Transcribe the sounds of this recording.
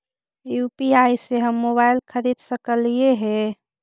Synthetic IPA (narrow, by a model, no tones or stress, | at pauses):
jupiajseɦəmːoβaɪlkʰəɾid̪səkəlieɦe